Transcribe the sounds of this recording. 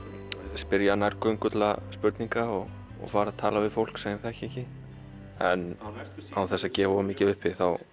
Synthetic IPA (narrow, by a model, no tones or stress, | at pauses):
spɪɾjanajɾkœɥŋkʏt̪la̰spʏɾt̪niŋkaɔɣ | ɔ̰ɣfaːɾaðt̪ʰa̰ːlavɪðfowl̥ksajnθaɛhcɪɛhcɪ | ɛ̰nawθɛsːacɛːvɔɣamɪːcɪðʏhpvɪðθaw